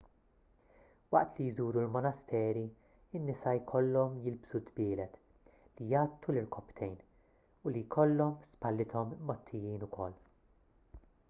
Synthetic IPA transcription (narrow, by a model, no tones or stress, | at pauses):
wɐ̰ʔt̪lijzuːɾulmɔnɐst̪ʰɛːɾi | ɪnːɪsɐjkʰɔlːɔmjɪlbsud̪bɪːlɛt̪ | lijɐːt̪ːulɪɾkɔpt̪ʰɛjn | ʊlijkʰɔlːɔmspɐlːɪt̪ʰɔmːɔt̪ʰːɪjiːnʊkʰɔ̰lː